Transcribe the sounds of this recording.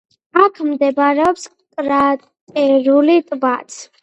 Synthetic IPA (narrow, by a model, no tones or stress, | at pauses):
akʰmd̪ɛbaɾɛɔps | kʼɾat̪ʼɛɾulit̪ʼbat̪sʰ